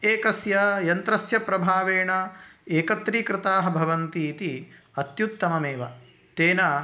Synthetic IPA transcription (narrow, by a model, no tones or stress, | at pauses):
eːkɐsjɐjɐnt̪ɾɐsjɐpɾɐbʱaːʋeːɳɐeːkɐt̪ɾiːkɾɪt̪aːɦɐ̆bʱɐʋɐnt̪iːt̪i | ɐt̪jut̪ːɐmɐmeːʋɐ̰ | t̪eːnɐ